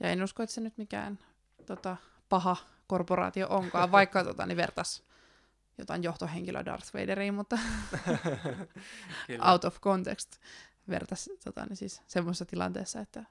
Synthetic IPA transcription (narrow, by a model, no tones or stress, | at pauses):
jɑenuskoet̪senyt̪mikæ̰ːn | t̪ot̪ɑ | pɑhɑ | korporɑ̰ːt̪io̰ʔoŋkɑːʋʋɑikːɑt̪ot̪ɑ̰neʋert̪ɑs | jot̪ɑinjoht̪oheŋkilʔø̰dɑ̰rθrḛideɾiːmut̪ːɑ | ʔɑwt̪ofkont̪ekst̪ | ʋḛrt̪ɑst̪ot̪ɑ̰nisiːssemːosesːɑt̪ilɑ̰nt̪eːsːɑet̪ːæ